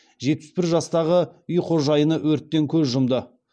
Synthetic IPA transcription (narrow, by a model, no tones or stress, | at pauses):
ʒe̞t̪̚pɪ̥sbɪɾʒɑst̪ɑʁəʏjqʰo̞ʒɑjənəwɵɾt̪ːe̞ŋkʲʰɵzʒʊmd̪ə